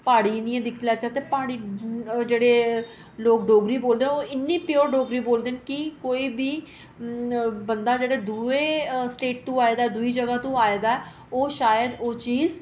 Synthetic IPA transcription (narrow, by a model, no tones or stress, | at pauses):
paːɽiːnd̪ijãːd̪ɪkʰt̪lɛːt͡ʃaːt̪eːpaːɽiːd͡ʒeːɽeː | loːk̚ɖoːɡɾiːboːld̪eːoːɪnːiːpɪjoːɾɖoːɡɾiːboːld̪eːnkikoːiːbiː | bənd̪aːd͡ʒeːɽeːd̪ueːsʈeːʈ̚t̪ũːaːeːd̪aːd̪ʊiːd͡ʒəɡaːt̪ũːaːeːd̪aːɛ | oːʃaːjəd̪oːt͡ʃiːz